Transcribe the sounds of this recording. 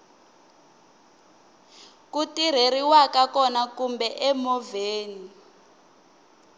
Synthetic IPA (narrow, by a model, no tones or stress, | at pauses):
kutiɾ̤eɾiwakakɔnakumbɛʔɛmɔveːni